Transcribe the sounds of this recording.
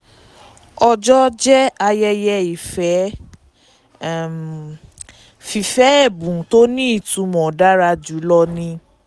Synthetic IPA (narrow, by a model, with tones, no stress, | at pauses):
ɔ˧d͡ʒɔ˦d͡ʒɛ˦a˧jɛ˧jɛ˧i˨fɛ˨˦˨ | fi˨fɛ˦ɛ˦˨bũ˨to˦nĩ˦i˦˨tũ˨˦mɔ̃˨da˦ɾa˧d͡ʒu˨˦lɔ˧nĩ˧